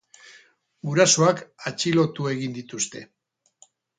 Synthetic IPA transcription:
ɡuɾaso̞akat͡ʃilo̞t̪ue̞ɣind̪it̪ust̪e̞

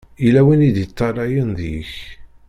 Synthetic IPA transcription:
ilæwinid̪jət̪ˤːɑɾˤɑjənðḭç

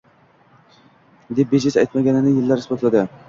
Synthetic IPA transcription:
d̪e̞p̚bed͡ʒɪsajt̪maɡʲanɪnɪjɪlːaɾɪsbɒt̪lad̪ɪ

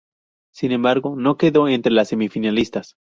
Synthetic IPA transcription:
sinembaɾɣo̞no̞ke̞ðo̞e̞nt̪ɾe̞lasːe̞mifinalist̪as

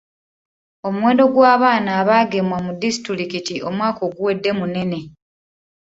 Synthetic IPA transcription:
o̞mwe̞ːndo̞ɡwaːβaːnaːβaːɡe̞mwamudisi̥tɾiɾikitio̞mwaːko̞ːɡuwe̞dːe̞mune̞ne̞

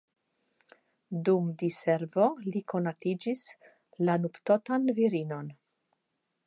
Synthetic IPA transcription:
d̪umd̪iseɾvolikonat̪id͡ʒis | lanupt̪ot̪anviɾinon

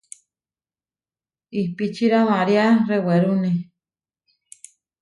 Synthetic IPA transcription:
ipit͡ʃiɾamãɾiareweɾunĩ

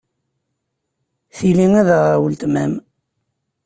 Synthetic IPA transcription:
θiliŋæðæʁawəlt̪mæm

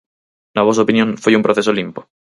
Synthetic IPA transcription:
naβos̬aopinjõnfojumpɾoθesolimpo̥

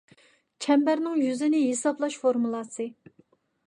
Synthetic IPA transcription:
t͡ʃʰɛmbæɾnɪŋjyzɪnɪɦesɑplˠɑʃfoɾmulˠɑsɨ

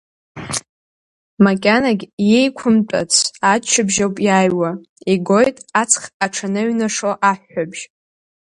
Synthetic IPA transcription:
makʲʼanaɡʲjejkʷʰʊmt͡pʷʼa̰t͡sʰat͡ʃʰɪbʒawpʼjaːjwa | iɡo̞jtʼat͡sʰχaʈ͡ʂʰanɨɥnaʂoʔaħːabʒ̥

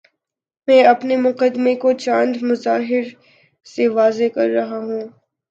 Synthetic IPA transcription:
mɛ̃ːɐpnemʊqəd̪mekot͡ʃãːnd̪mʊzaːɦɪɾ | seʋaːzekɐɾːɐɦaɦũː

